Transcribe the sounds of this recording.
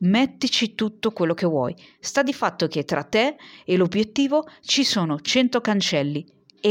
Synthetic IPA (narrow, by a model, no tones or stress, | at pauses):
met̪ːit͡ʃit̪ut̪ːokwelːok̟evwɔ̰jst̪ad̪ifat̪ːok̟et̪ːɾat̪ːeːlobjet̪ːiːvot͡ʃisoːnot͡ʃɛnt̪okant͡ʃɛlːi | e